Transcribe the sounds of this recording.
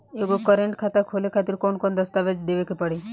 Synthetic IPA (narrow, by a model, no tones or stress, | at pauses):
eɡokəɾeɳʈkʰat̪akʰolekʰat̪iɾkonkond̪əst̪aʋed͡ʒd̪eʋekepəɽe